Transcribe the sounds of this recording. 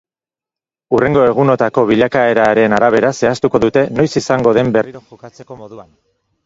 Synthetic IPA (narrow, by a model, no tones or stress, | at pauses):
ure̞ŋɡo̞e̞ɣ̞uno̞t̪ako̞β̞iʎakae̞ɾaɾe̞naɾaβ̞e̞ɾase̞ast̪uko̞ðut̪e̞no̞jsisaŋɡo̞ðe̞mberoat͡sekoðuan